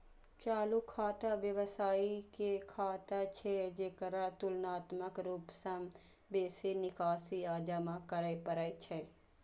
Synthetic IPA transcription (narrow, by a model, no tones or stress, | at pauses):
t͡ʃaːlukʰaːt̪aʋjəʋəsaːikekʰaːt̪at͡ʃʰed͡ʒeːkəɾat̪ʊlnaːt̪məkɾuːpsɐm | beːsenɪkaːsiaːd͡ʒamãkəɾəjpəɾəjt͡ʃʰe